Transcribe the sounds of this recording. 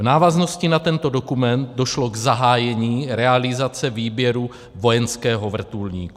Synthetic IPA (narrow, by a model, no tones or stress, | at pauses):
vnaːvazno̞scɪnat̪ɛnt̪o̞dokumɛnt̪̚do̞ʃlo̞ɡzaɦaːjɛɲiːɾɛalɪzat͡sɛviːbjɛɾu | vo̞jɛnskɛːɦo̞vr̩t̪ulɲḭːku